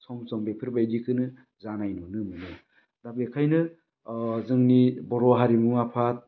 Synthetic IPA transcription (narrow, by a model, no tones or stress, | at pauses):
sɔmsɔmbepʰɯɾbajdikʰɯnɯ | zanajnɔnɯmɯnɔ | dabekʰajnɯ | zɯŋnibɔɾɔɦaɾimɯŋapʰat̚